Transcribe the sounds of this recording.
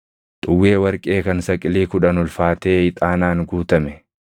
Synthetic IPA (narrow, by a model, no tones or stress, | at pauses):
t̪ʼʊwːe̞ːwɐɾkʼe̞ːkɐnsɐkʼɪliːkʊᶑɐnʊlfaːt̪e̞ːɪt̪ʼaːnaːŋɡuːt̪ɐmɛ